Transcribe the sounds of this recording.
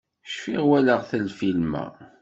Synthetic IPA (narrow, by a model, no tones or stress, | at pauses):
ʃfiʁwæləʁθəlfilmæ̰